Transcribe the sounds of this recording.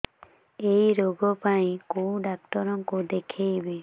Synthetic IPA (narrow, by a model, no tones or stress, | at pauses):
ejɾoɡɔpaj̃kowɖak̚ʈɔɾɔŋkud̪ekʰejbe